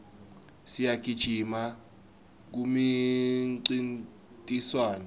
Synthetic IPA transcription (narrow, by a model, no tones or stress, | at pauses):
sijakʰid̥ʒ̥ʱima | k̬umi | ǀin | tʼiswaːnɛ